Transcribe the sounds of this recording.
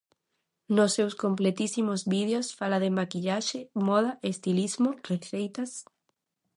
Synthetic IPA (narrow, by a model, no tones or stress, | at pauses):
nosːewskomplet̪isimozβið̞josfalaðɪmakiʎaʃɪmɔðaʔest̪ilizmoreθejt̪as